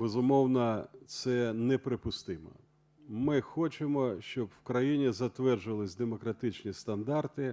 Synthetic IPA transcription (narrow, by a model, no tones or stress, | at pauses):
bezʊmɔwnɐt̪sɛnɛpɾɪpʊst̪ɪmɔ̰ | mɪxɔt͡ʃemɔʃt͡ʃɔbwkɾɐjinʲizɐt̪ʋɛrʒʊʋɐlˠɪsʲd̪emɔkɾɐt̪ɪt͡ʃnʲist̪ɐnd̪ɑrt̪ɪ